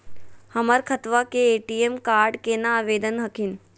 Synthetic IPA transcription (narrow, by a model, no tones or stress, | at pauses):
hɐməɾkʰət̪ʋakeːʈiemkaːɾɖkenãːʋeːd̪ənɦɐkʰin